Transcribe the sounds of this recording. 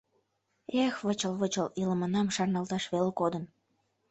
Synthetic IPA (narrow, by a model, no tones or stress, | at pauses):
exβət͡ɕəlβət͡ɕəlilə̆mənɑmʃɑrnɑlt̪ɑʃβelekod̪ən